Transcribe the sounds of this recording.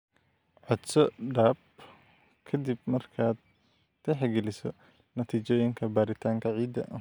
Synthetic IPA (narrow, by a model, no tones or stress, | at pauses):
ʕɔd̪sɔɖaːb | kʰɐd̪ib̚mɐrkʰaːd̪̚ | ɛħɛɡɛlɪsɔ | nɐt̪ʰiːt͡ʃɔːjɪŋkʰɐbaːɾɪt̪ʰaːŋkʰɐʕiːd̪ɐ̰ʔ